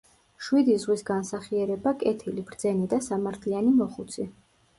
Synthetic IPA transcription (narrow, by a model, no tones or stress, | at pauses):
ʃwid̪izʁwisɡansaχiɛɾɛbakʼɛt̪ʰilib̥ɾd̪zɛnid̪asamaɾt̪ʰlianimɔχut̪sʰi